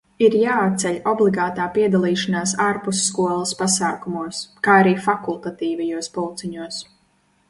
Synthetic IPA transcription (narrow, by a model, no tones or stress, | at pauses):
iɾjaːat̪̚t̪sɛʎʲɔblˠiɡaːt̪aːpiɛd̪alˠiːʃanaːsaɾpusːkuɔlˠaspasaːkumuɔskaːaɾiːfakulˠt̪at̪iːvɛjuɔspɔlˠt̪siɲuɔs